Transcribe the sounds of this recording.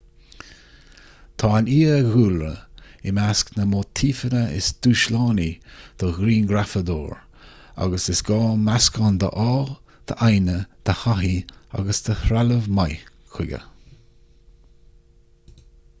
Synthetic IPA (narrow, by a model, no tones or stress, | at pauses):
t̪ʰɑːaniːəɣuːlɾə̰ɪmasknəmoːt̪ʰiːfənəɪ̰sd̪̥uːʃlɑːnid̪̥ɔɣɾiːnɡɾafəd̪o̰ːɹ | a̰ɡəsɪsɡɑːmaskɔnd̪ə̰ʔɑː | d̪̥əʔajnəd̪̥əhaɦia̰ɡəsd̪̥əhɾaləvmaj | kʰɪɡə̰